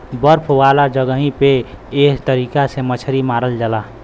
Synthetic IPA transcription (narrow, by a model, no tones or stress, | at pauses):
bəɾpʰwaːlad͡ʒəɡəɦĩpeeɦt̪əɾiːkasemət͡ʃʰɾimaːɾəld͡ʒəla